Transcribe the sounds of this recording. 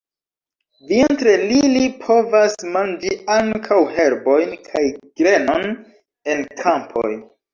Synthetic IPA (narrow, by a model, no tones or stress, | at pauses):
vientɾelilipʰo̞vasmand͡ʒiaŋkʰawhe̞ɾbo̞jnkʰajɡ̥ɾe̞no̞n | e̞nkʰampʰo̰j